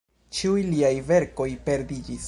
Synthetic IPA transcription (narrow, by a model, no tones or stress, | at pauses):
t͡ʃiujliajve̞ɾko̞jpe̞ɾdid͡ʒis